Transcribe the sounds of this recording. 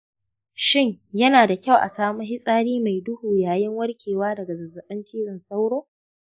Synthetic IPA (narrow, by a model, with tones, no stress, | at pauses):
ʃɪ˦˨ɲjɐ˦naː˨da˨kʲa˦˨wʔa̰˨saː˦mu˦ɦɪ˦sʼaː˦ɽiː˦ma˨jdʊ˦huː˨jaː˨jɪ˦ŋwɐ˦rkʲʰeː˨waː˦dɐ˨ɡa˨zɐ˨rzɐ˨ɓɐ˦nt͡ʃiː˦ɽɪ˨nsa˦wɽoː˦